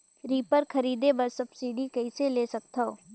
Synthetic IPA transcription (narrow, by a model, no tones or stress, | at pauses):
ɾiːpəɾkʰəɾiːd̪ebəɾsəbsiːɖiːkɐiseleːsɐk̚t̪ʰaoː